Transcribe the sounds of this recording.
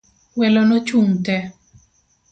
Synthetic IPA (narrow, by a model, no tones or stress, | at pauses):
wɛlɔnɔt͡ʃuŋtɛ